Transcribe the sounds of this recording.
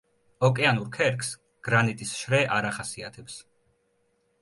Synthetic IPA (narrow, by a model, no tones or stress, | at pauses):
ɔkʼɛanuɾkʰɛɾkʰs | ɡ̥ɾanit̪ʼisʃɾɛʔaɾaχasiat̪ʰɛps